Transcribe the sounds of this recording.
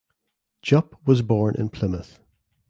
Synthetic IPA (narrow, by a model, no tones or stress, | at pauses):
d̥ʒ̥ʌpwɒzbɔɹnʔɪ̰̃npʰl̥ɪməθ